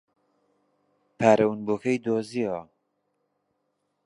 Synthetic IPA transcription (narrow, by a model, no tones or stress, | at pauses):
pʰaːɾɐwnboːkʰɐjd̪oːzia